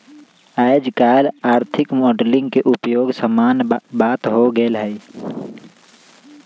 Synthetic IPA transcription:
aed͡ʒkaːlaːɾt̪ʰɪkmoːɖlɪ̃ŋɡkeʔʊpjoːɡsəmaːnbaːt̪ɦoɡəlɦɛi

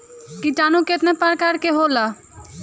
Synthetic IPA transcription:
kit͡ʃaːnũket̪nepəɾkaɾkeɦoːla

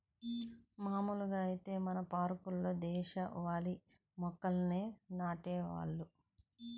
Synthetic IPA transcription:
maːmuːluɡaːɐjit̪e̞ːmɐnɐpaːɾkulːoːd̪ɛːʃɐʋaːli | mɔkːɐlneːnaːʈɛːʋa̰ːɭːu

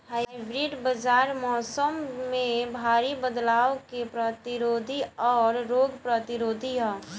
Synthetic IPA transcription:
ɦaɪbɾiɖbəd͡ʒaːɾmɔːsəmːẽbʱaːɾibəd̪laːʋkepɾət̪iɾoːd̪ʱiɔːɾːoːɡpɾət̪iɾoːd̪ʱiɦɔː

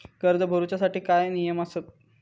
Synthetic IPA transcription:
ɡ̥əɾd̪ʱəbʱəɾut͡ɕasaʈiːkajnijəmasət̪̚

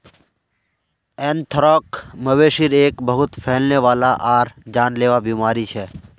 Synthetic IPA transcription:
eːnt̪ʰɾɔːkməʋeːʃiɾeːkbəɦʊt̪pʰɛɦlneːʋaːlaʔaːɾd͡ʒaːnleːʋabiːmaːɾit͡ʃʰɛː

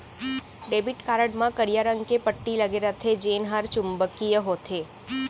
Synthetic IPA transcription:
ɖebiʈkaɾəɖmãkəɾijaɾəŋɡkepəʈːilaɡeɾat̪ʰed͡ʒenɦaɾt͡ʃumbəkijəɦot̪ʰe

